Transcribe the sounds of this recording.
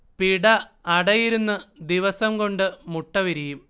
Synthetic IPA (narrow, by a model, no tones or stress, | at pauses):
piɽɐːɽɐjiɾunːɨd̪iʋɐsɐmko̞ɳɖɨmuʈːɐʋiɾijum